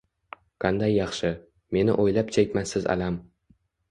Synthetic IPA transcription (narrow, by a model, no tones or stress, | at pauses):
qʰɑnd̪ajːɑχʃɪ | me̞nɪ̰ʔojlapt͡ʃʰekʲmansɪza̰lam